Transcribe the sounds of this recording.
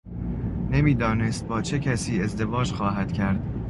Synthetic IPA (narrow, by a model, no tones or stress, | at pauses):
nemiːd̪ɒːne̞st̪̚bɒːt͡ʃʰecʰæsiːe̞zd̪e̞vɒːd͡ʒxɒːɦæd̪̥cʰæɾd̪̥